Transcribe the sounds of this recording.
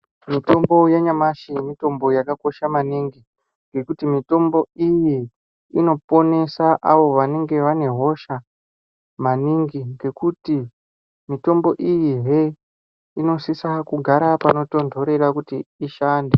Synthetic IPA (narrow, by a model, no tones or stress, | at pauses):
mito̞mbo̞jaɲamaʃimito̞mbo̞jakako̞ʃamaniŋɡi | ŋɡe̞kutimito̞mbo̞iji | ino̞po̞ne̞saʔaʋo̞ʋane̞ŋɡe̞ʋane̞ɦo̞ʃa | maniŋɡiŋɡe̞kuti | mito̞mbo̞ʔijiɦe | ino̞sisakuɡʱaɾapano̞to̞ndʱo̞ɾe̞ɾakutiːʃaːnde